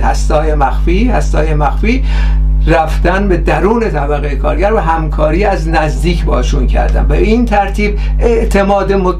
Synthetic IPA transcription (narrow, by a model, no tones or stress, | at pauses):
hæ̰st̪ɒːjemæxfiːhæst̪ɒːjemæxfiː | ræfd̪̥ænbe̞d̪æɾuːne̞t̪ʰæbæɣejekʰɒːɾɟæɾvæɦæmkʰɒːɾiːæznæzd̪iːcʰbɒːʃuncʰæ̰ɾd̪æ̰nbeiːnt̪ʰæɾt̪ʰiːb | ʔe̞ʔt̪ʰe̞mɒːd̪emo